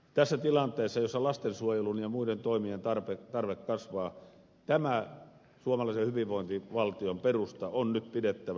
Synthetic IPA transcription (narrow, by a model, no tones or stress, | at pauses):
t̪æsːæt̪ilɑnt̪ˑeːsːɑjosːɑlɑst̪ensuojelunjɑmuident̪oimient̪ɑrpet̪ɑrʋekːɑsʋɑː | t̪æmæ | suomɑlɑˑisehyʋiʋʋˑoˑint̪iʋɑlt̪iomperust̪ɑonnyt̪pidet̪ːæʋæ